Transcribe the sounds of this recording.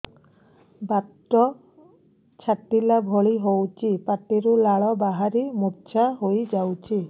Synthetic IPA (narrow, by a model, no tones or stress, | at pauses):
bat̪ɾɔ | t͡ʃʰaʈːilabʱɔɭiɦowt͡ʃʰipaʈiɾulaɭɔbaɦaɾimuɾt͡ʃʰaɦojd͡ʒawt͡ʃʰi